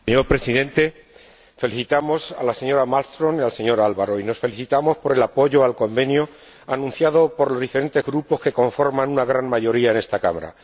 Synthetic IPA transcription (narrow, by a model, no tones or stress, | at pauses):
seɲo̞ɾpɾe̞siðe̞nt̪e̞ | fe̞liθit̪amo̞sa̰lase̞ɲo̞ɾamalst̪ɾo̞nialse̞ɲo̞ɾalβaɾo̞ino̞sfe̞liθit̪amo̞spo̞ɾe̞lapo̞ʝo̞alko̞mbe̞njo | anũn̟θjaðo̞po̞ɾlo̞zðifeɾe̞nt̪e̞zɣɾupo̞ske̞ko̞ɱfo̞ɾmãnunaɣ̞ɾanmaʝo̞ɾiaene̞st̪aka̰ma̰ɾa̰